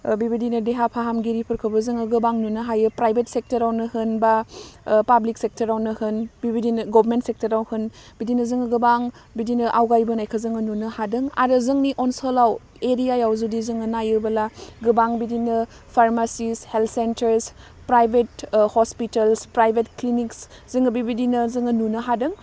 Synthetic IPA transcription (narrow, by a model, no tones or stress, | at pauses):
bibidinɐdeɦapʰaɦamɡiɾipʰɯɾkʰɯbɐzɯŋɐɡɯbaŋnunɯɦajɯpɾajbʱet̚sek̚tɐɾawnɯhɯnba | pablik̚sek̚tɐɾawnɯhɯnbibidinɡɔbɾmentsek̚tɐɾawhɯnbidinɐzɯŋɐɡɯbaŋ | bidinɯʔawɡajbɐnajkʰɐzɯŋɯnunɯhadɯŋa̰ɾɯzɯŋniʔɔnsolaw | eɾijajawzudizɯŋɯnajɯbɐlaɡɯbaŋbidinɯ | pʰaɾmasisheltʰsentɐɾs | pɾajbʱet̚hospitɐlspɾajbʱetkliniks | z̥ɯŋɐbibidinɐzɯŋɯnunɐɦadɯŋ